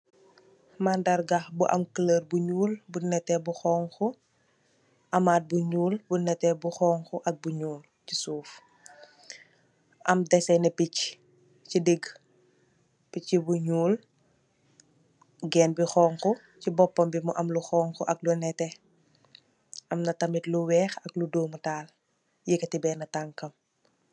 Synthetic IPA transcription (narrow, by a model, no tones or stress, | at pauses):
mandɐɾɡaxbuʔɐ̰mkələrbuɲuːlbunɛtɛbuxɔːŋxɔ | ʔɐmat̚buɲuːlbunɛtɛbuxɔːŋxɔʔɐk̚buɲuːl | cisuːf | ʔɐ̰mdɛsɛnɛpic | cidiɡ | picːibuɲuːl | ɡɛːnbixɔːŋkɔ | cibɔpːɔmbimuʔɐmluxɔːŋkɔʔɐklunɛtɛ | ʔɐmnɐtɐmitluwɛːxɐkludoːmutaːl | jikɐtibɛːnɐtaŋkɐm